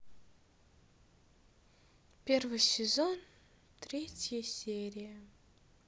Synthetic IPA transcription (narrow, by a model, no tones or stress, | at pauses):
pʲervɨjsʲɪzon | t̪ɾʲetʲjəsʲeɾʲijə